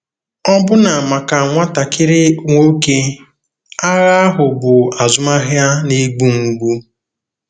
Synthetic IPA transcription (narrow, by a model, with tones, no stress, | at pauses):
ɔ˦bʊ˦na˨ma˨ka˨a˨ŋʷa˦ta˨kʰɪ˦ɾɪ˦ŋʷo˦ke˦ | a˦ɣa˦a˦ɦʊ˨bʊ˨a˨zʊ˦ma˦ɦja˦ne˦ɡ͡bu˦ŋ̩˨ɡ͡bu˦